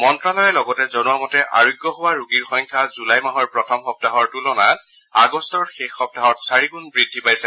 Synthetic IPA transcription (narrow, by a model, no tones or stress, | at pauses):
mɔntɹalɔjɛlɔɡɔtɛzɔnuwamɔtɛʔa̰ɹojɡjɔɦowaɹuɡiɹxɔjɲkʰazulajmaɦɔɹpɹɔtʰɔmxɔp̚taɦɔɹtulɔnat | aɡɔstɔɹxexːɔp̚taɦɔtsaɹikunbɹidʱːipajsɛ